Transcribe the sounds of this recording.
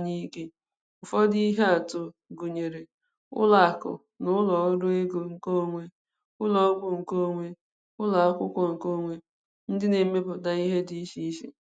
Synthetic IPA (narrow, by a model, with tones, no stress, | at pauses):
ɲi˦ke˦ | ʊ˨fɔ˦di˦i˦ɦe˦a˨tʊ˦ɡu˨ɲe˨ɾe˨ | ʊ̰˦la˨a˨kʊ̰˨ | nʊ˦lɔ˨˦ɾʊ˦e˦ɡo˨ŋ̩˨ko˦˨ŋʷe˦ | ʊ˦lɔ˦ɔ˦bʊ˨ŋ̩˨ko˦˨ŋʷe˦ | ʊ˦la˨a˦kʷʊ˦kʷɔ˦ŋ̩˨ko˦˨ŋʷe˦ | n̩˦dɪ˦ne˨m̩˦me˦pʊ˨ta˦i˦ɦe˦di˦ʃi˦ʃḛ˨